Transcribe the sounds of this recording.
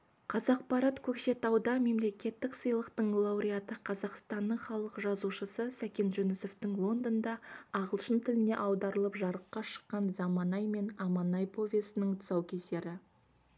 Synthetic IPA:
qʰɑzɑq̚pɑɾɑt̪kʲʰɵkʃe̞t̪ɑwd̪ɑme̞mle̞kʲe̞t̪ːɪksəjlˠəqt̪əɴlˠɑwɾʲijat̪əqʰɑzɑqst̪ɑnːəɴχɑlˠəqʒɑzuʃəsəsækʲe̞nʒɵnʏso̞ft̪ɪŋlˠo̞nd̪ond̪ɑɑʁəlˠʃənt̪ʰɪlɪne̞̰ʔɑwd̪ɑɾəlˠəpʒɑɾəqːɑʃə̥qːɑnzɑmɑnɑjme̞nɑmɑnɑjpʰo̞vʲesɪnɪŋt̪ʰʊ̥sɑwkʲʰe̞se̞ɾɪ

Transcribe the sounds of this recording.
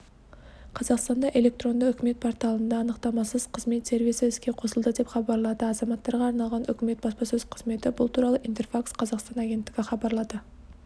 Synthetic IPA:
qʰɑzɑqst̪ɑnd̪ɑʔe̞lʲe̞k̚t̪ro̞nd̪əʏkʲɪme̞t̪̚pʰo̞ɾt̪ɑlˠənd̪ɑːnəqt̪ɑmɑsəz̥qʰəzme̞t̪se̞ɾvijsəɪskʲe̞qʰo̞səlˠd̪əd̪e̞pχɑbɑɾlˠɑd̪əɑzɑmɑt̪ːɑɾʁɑːɾnɑlˠʁɑnʏ̰kʲɪme̞t̪̚bɑspɑsɵz̥qʰəz̥me̞t̪ɪbʊlˠt̪ʰuɾɑlˠəʔint̪e̞rfaksqʰɑzɑqst̪ɑnaɡʲe̞nt̪ːɪɡʲɪχɑbɑɾlˠɑd̪ə

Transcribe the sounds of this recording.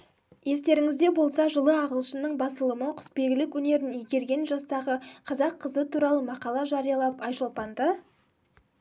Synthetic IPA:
je̞s̬t̪e̞ɾɪŋɪzd̪e̞bo̞lˠsɑʒəlˠəɑʁəlˠʃənəɴbɑsəlˠəməqʰʊ̥spe̞ɡʲɪlɪkwɵne̞ɾɪnijɡʲe̞ɾɡʲe̞nʒɑst̪ɑʁəqʰɑzɑqʰːəzət̪ʰuɾɑlˠəmɑqɑlˠɑʒɑɾijɑlˠɑpɑjʃolˠpɑnd̪ə

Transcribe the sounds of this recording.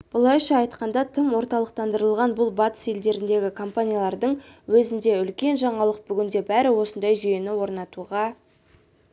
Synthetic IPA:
b̥ʊlˠɑjʃɑːjt̪qɑnd̪ɑt̪ʰəmwo̞ɾt̪ɑlˠəq̚t̪ɑnd̪əɾəlˠʁɑnbʊlˠbɑt̪ə̥se̞ld̪e̞ɾɪnd̪e̞ɡʲɪkʰo̞mpanʲijalˠɑɾd̪əɴwɵzɪnd̪e̞ʏlkʲe̞nʒɑɴɑlˠəq̚bʏɡʲɪnd̪e̞bæɾɪwo̞sənd̪ɑjʒʏje̞nɪwo̞ɾnɑt̪uʁɑ

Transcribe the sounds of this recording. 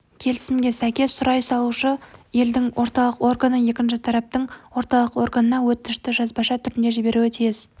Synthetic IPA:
kʲʰe̞lɪsɪmɡʲe̞sæjkʲe̞ssʊɾɑjsɑlˠuʃəje̞ld̪ɪŋwʔo̞ɾt̪ɑlˠəqo̞rɡanəje̞kʲɪnʃɪt̪ʰɑɾɑp̚t̪əɴwo̞ɾt̪ɑlˠəqo̞rɡənənɑwɵt̪ːɪʃt̪ɪʒɑzbɑʃɑt̪ʰʏɾɪnd̪e̞ʒibe̞ɾuet̪ʰijɪz

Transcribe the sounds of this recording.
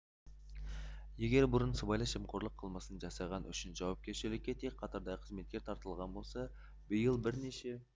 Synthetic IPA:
jeɡʲe̞ɾbʊɾənsəbɑjlˠɑʃəmqʰoɾlˠəqʰːəlˠmɑsənʒɑsɑjʁɑnʔʏ̰ʃɪnʒɑwɑp̚kʲe̞ɾʃɪlɪkʲːet̪eqʰɑt̪əɾd̪ɑqʰəzme̞t̪̚kʲeɾt̪ʰɑɾt̪əlˠʁɑnbo̞lˠsɑ | bɪjəlˠbɪɾneʃe̞

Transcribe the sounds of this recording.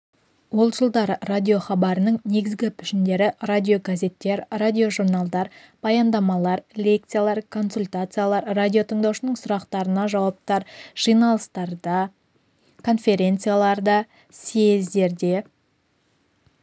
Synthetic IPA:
wo̞lˠʒəlˠd̪ɑɾəradʲijo̞χɑbɑɾənəɴne̞ɡʲɪzɡʲɪpʰʏʃɪnd̪e̞ɾɪradʲijo̞ɡaze̞t̪ːe̞ɾradʲio̞ʒuɾnalˠd̪ɑɾ | b̥ɑjɑnd̪ɑmɑlˠɑɾlʲe̞k̚t̪sɨjalˠɑɾkʰo̞nsulʲt̪at̪sɨjalˠɑɾːadʲijo̞t̪ʰəɴd̪ɑwʃənəɴsʊɾɑqt̪ɑɾənɑʒɑwɑp̚t̪ɑɾʒ̥ijnɑlˠəst̪ɑɾd̪ɑ | kʰo̞nfʲe̞ɾʲe̞nt̪sɨjalˠɑɾd̪ɑ | sezd̪e̞ɾd̪e̞

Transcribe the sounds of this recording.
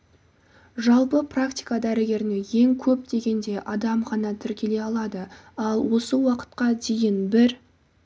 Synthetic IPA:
ʒɑlˠpəprakt̪ʲijkad̪æɾɪɡʲe̞ɾɪneje̞ŋkʲʰɵpd̪e̞ɡʲe̞nd̪e̞ʔɑd̪ɑmχɑnɑt̪ʰɪɾkʲe̞le̞ɑlˠɑd̪əɑlˠwo̞səwɑqə̥t̪̚qɑd̪e̞jɪnbɪɾ

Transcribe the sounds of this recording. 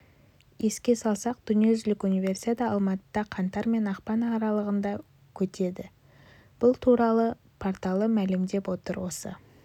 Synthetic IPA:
je̞skʲe̞sɑlˠsɑq̚d̪̥ʏnije̞ʒɪlɪkunijve̞rsi̥t̪ad̪ɑɑlˠmɑt̪əd̪̥ɑqʰɑnt̪ɑɾme̞nɑqpɑnːɾɑlˠəʁənd̪ɑ | kʲʰɵt̪ʰe̞d̪ɪ | b̥ʊlˠt̪ʰuɾɑlˠə | pʰoɾt̪ɑlˠəmælɪmd̪e̞pwo̞t̪əɾwo̞sə̰

